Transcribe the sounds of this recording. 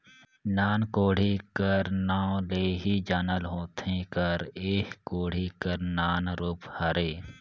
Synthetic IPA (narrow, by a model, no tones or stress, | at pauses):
naːnkoːɽ̤ikəɾnãːleːɦid͡ʒaːnəlɦoːt̪ʰẽkəɾeːkkoːɽ̤ikəɾnaːnɾʊphəɾeː